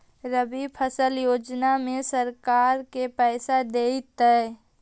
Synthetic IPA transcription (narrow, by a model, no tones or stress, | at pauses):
ɾəbipʰəsəljoːd͡ʒnamẽsəɾkaːɾkepɛːsad̪eːit̪ə